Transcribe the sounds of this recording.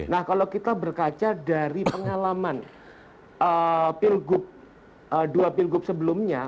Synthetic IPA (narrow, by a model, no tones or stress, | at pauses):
nahkalokit̪abərkat͡ʃadaɾipəŋalaman | əːpɪlɡʊp̚ | əduapilɡʊp̚səbəlʊmɲa